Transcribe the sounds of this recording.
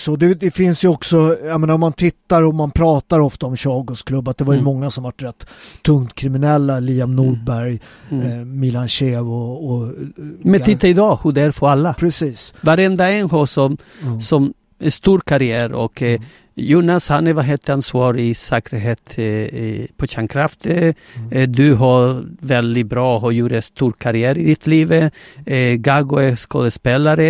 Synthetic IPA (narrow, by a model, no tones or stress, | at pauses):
sd̪ɛd̪ɛfɪnsjɵɔksɔjameːnaɾɔmːant̪ʰɪt̪ːaɾɔmanpʰɾɑːt̪aɾɔft̪aɔmɕɑːɡɔskʰlɵbːat̪̚d̪ɛvaɾjɵmɔŋːasɔmvaʈːɾɛt̪ʰːɵŋt̪kʰɾɪmɪnɛlːaliːamnuːɖbæɾj | mɪlanɕeːvɔː | mɛnʰɪt̪ːaɪd̪ɑːhʉd̪æɾfɔɾalːapʰɾɛsiːsvaɾɛnd̪aɛnhoːsɔm | sɔm | æʂt̪uːɾkʰaɾɪæːɾɔ̰k | juːnashanɛɾvaɦeːt̪ʰːəɾansvɑːɾɪsɛːkəɾɦeːt̪ | pʰɔɕæːnkʰɾaft̪ʰə | d̪ʉɦaɾvɛld̪ɪbɾɑːhɔjuːɾəst̪uːɾkʰaɾɪæːɾɪd̪ɪt̪ʰliːv | ɡaɡʊɛsko̰ːd̪əspeːlaɾə